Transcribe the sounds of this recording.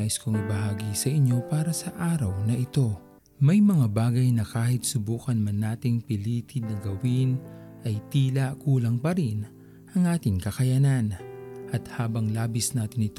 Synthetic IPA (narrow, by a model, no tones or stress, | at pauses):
aʔɪskoŋɪbɐɦaːɡisɐʔɪɲo̞paːɾɐsɐʔaːɾɐwnɐʔɪt̪o̞ | mɐjmɐŋabaːɡɐjnɐkaːhɪt̪̚sʊbuːkɐnmɐnːaːt̪ɪŋpɪliːt̪ʰɪnɐɡɐwɪn | ʔɐjt̪iːlɐkuːlɐŋpɐɾɪn | ʔɐŋʔaːt̪ɪŋkɐkɐjananʔɐt̪haːbɐŋlaːbɪsnaːt̪ɪnɪt̪